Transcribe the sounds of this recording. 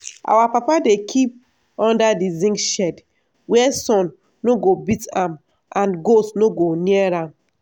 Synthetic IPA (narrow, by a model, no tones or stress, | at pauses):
ʔa̰wapapadekʰip̚ | ɔ̃ndadizĩŋkʃɛd | wɛsɔ̃nː | oɡobitãm | ʔãnɡotnoɡoniɛɹãm